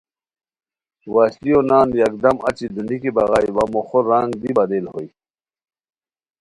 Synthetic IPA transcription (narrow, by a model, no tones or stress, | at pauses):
waːɕlijonaːnjɐk̚d̪ɐmɐ̰t͡ɕid̪unikibɐɣaːjwɐmoxoɾːaŋɡd̪ibɐd̪eːlhoi